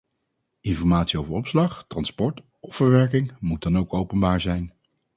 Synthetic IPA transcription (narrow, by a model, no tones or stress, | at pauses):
ɪnfɔɹmaːtsiowvəɹɔpslɑχtrɑnspɔɹt | ɔfəɹʋɛɹkɪŋmut̚dɑnowkowpənbaːɹzɛjn